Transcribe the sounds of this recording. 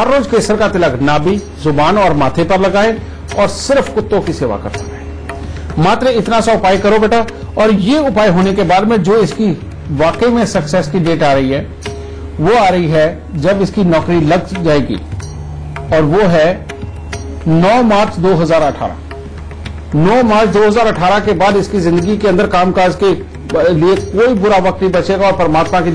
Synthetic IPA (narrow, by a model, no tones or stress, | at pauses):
ɦɐɾːoːzkeːsəɾkat̪ɪləknaːbi | zʊbaːnɔːɾmaːt̪ʰepɐɾlɐɡaːe | ɔːɾsɪɾfkʊt̪ːõkiseːʋa̰kɐɾt̪a̰kae | maːt̪ɾəɪt̪nasaʊpaːjkɐɾobeʈa | ɔːɾjeʊpaːjɦoːnekebaːɾemẽd͡ʒoːɪski | ʋaːkəmẽsɐksɛːskiɖeːʈaːɾɐɦiɦɛː | ʋoaːɾɐiɦɛ | d͡ʒɐbɪskinɔːkɾilɐɡd͡ʒaːeːɡḭː | ɔːɾʋoɦɛ | nɔːmaːɾt͡ʃd̪oːɦɐzaːɾɐʈʰa̰ːɾa̰ | nɔːmaːɾt͡ʃd̪oːɦəzaːɾɐʈʰaːɾakebaːd̪ɪskizɪ̃nd̪əɡikeɐ̃nd̪əɾkaːmkaːɾd͡ʒke | liekoːibʊɾaʋɐk̚t̪ĩbɐt͡ʃeːɡaɔːɾpəɾəmaːt̪maki